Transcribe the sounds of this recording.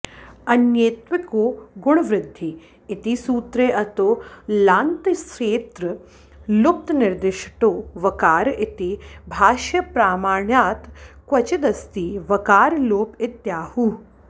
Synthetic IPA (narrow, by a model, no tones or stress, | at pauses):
ɐnjeːt̪ʋɪkoːɡʊɳ̃ɐʋɾɪd̪ʱːi | ɪt̪isuːt̪ɾeːʔɐt̪oːlaːnt̪ʃeːt̪ɾə | lʊk̚t̪nɪɾd̪ɪʃʈoːʋɐkaːɾʔɪt̪ibʱaːʃjɐpɾaːmaːɳjaːt̪kwɐt͡ʃid̪ɐst̪iːʋɐkaːɾloːpɪt̪jaːhuː